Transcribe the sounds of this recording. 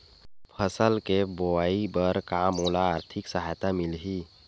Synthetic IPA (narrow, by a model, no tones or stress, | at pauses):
pʰəsəlkeboaːibəɾkaːmoːlaːɾt̪ʰɪksəɦajt̪amɪlɦi